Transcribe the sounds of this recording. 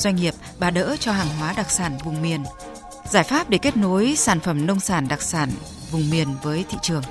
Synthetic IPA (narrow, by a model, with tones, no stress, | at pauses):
zwa˧jŋ̟ŋi˨˩əp̚ɓaː˨˩ɗə̰ː˧˥t͡ɕɔ˧ɦaː˨˩ŋɦwaː˨˦ɗa˨˩k̚saː˧˩nvʊ˨˩ŋ͡mmi˨˩ən | zaː˧˩jfaː˦˥p̚ɗe˧˩ke˦˥t̚no˨˦jsaː˧˩nfə˧˩mnə˧wŋ͡msaː˧˩nɗa˨˩k̚saː˧˩n | vʊ˨˩ŋ͡mmi˨˩ənvəː˨˦jt̪ʰḭ˧˨t͡ɕɨ˨˩əŋ